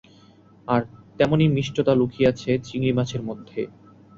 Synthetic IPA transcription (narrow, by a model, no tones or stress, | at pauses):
aɾt̪ɛmonimiʃʈʰot̪alukʰijat͡ɕʰet͡ɕiŋlimat͡ɕʰeɾmod̪ʱːe